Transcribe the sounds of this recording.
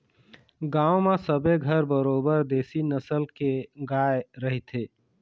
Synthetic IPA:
ɡaːomesəbeɡʱəɾbəɾoːbəɾd̪eːsinəsəlkeɡaːeɾəɦit̪ʰe

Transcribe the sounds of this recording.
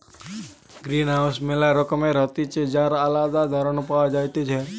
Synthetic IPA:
ɡɾiːnɦawsmelaɾɔkəmeɾɔt̪it͡ʃed͡ʒaɾəlad̪ad̪ʱaɾənupaʋad͡ʒajt̪it͡ʃʰe

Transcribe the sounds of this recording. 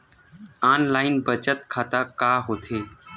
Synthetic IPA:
aːnlaːɪnbət͡ʃət̪̚kʰaːt̪aːkaːɦoːt̪ʰeː

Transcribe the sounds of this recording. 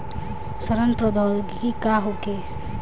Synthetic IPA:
səɾənpɾod̪ɔlɡkikaɦokeː

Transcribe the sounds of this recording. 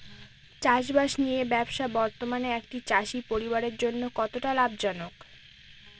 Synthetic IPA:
t͡ɕaʃ̬baʃnijebɛbʃabɔɾt̪omaneekʈit͡ɕaʃipoɾibaɾeɾd͡ʑonːokɔt̪oʈalab̚d͡ʑɔnok

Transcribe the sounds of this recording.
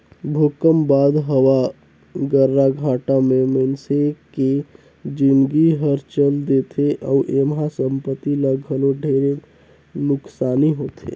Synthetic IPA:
bʱokəmbaːd̪ɦəwa | ɡəɾːaɡʱãːʈamẽmənseke | d͡ʒɪnɡiɦəɾt͡ʃəld̪et̪ʰeʔɔʊʔemɦasə̃mpət̪iləɡʱəloɖʱeːɾe | nʊksaːniɦoːt̪ʰḛː

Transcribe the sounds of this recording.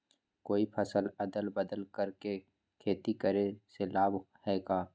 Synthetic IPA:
koːipʰɐsəlɐd̪əlbəd̪əlkəɾke | kʰeːt̪ikəɾeselaːbhɛːɡaː

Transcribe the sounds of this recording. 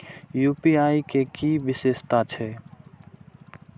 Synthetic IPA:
juːpiaːikekiʋɪseːʃt̪at͡ʃʰɛː

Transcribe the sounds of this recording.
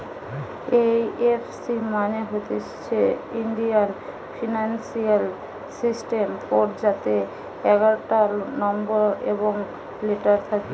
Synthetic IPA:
ejefsimaneɦot̪e | t͡ɕʰeiɳɖian | fʰinansial | sisʈempɔɾd͡ʑat̪e | ɛɡaɾoʈanɔmboɾḛboŋ | leʈaɾt̪ʰake

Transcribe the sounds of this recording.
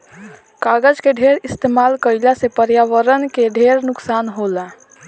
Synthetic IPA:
kaɡəd͡ʒkeɖʱeɾɪst̪emaːlkəɪlasepəɾjaːʋəɾənkeɖʱeɾnʊksaːnɦola

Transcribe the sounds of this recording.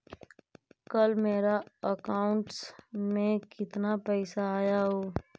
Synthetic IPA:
kəlmeːɾaəkaːʊ̃ɳʈsmẽkɪt̪napɛːsaːjaɦoː

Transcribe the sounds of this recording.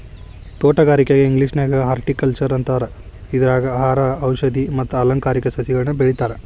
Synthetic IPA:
t̪oːʈɐɡaːɾikeɡeiŋɡliːʂneːɡɐaːɾʈikɐlt͡ʃɐɾɐnt̪ɐʋɐɾɐ | id̪ɐɾaːɡɐaɦaːɾɐːwʃɐd̪imɐt̪ːuɐlɐŋkaːɾikɐsɐsiɡɐɭɐnɐbeɭit̪aːɾe

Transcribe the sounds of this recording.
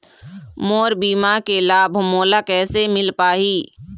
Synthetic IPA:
moːɾbiːmakelaːbʱmoːlakɛːsemɪlpaːɦiː

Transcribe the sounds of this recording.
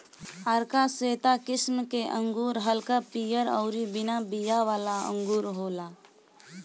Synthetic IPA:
əɾkaseːt̪akɪsmkeʔə̃ŋɡuːɾɦəlkapijəɾɔ̰ʊɾibɪnabijaʋaːlaə̰̃ŋɡuːɾɦoːla

